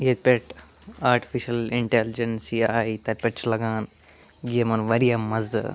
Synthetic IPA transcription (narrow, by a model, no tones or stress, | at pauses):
jet̪̚pʲeʈ | aːɾʈi̥fiʃɐliɳʈeld͡ʒɐnsiaːit̪ɐɾpʲeʈt͡ʃʰlɐɡaːn | ɡiɐmɐnʋɐɾijɐmːɐzɨ̰